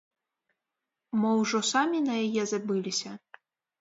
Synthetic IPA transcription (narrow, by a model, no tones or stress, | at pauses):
mɨwʐɔsamʲinɐjajɛzabɨlʲisʲɐ